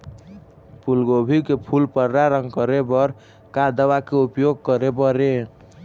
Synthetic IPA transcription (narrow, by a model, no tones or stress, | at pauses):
pʰulɡobʱikepʰulpəɾɾaɾəŋɡkəɾebʌɾ | kad̪əwakeupjoɡ̚kʌɾebʌɾe